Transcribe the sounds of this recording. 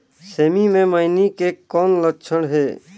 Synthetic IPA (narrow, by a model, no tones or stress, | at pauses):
seːmimẽməɪnikekɔːnlətːʃʰəɽɦeː